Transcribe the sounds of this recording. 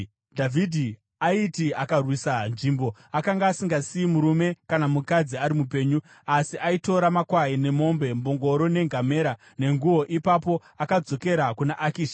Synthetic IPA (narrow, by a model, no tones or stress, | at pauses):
dʱavʱidʱi | aitiakarwisanʐimbo̞akaŋɡaːsiŋɡasiimuɾume̞kanamukad͡ziaɾimupe̞ːɲu | asiʔaito̞ɾamakwaine̞mo̞mbe̞mboŋɡo̞ɾone̞ŋɡʱame̞ɾa | ne̞ŋɡuwo̞ʔipapo̞ | akad͡zo̞ke̞ɾakunaʔakiːʃḁ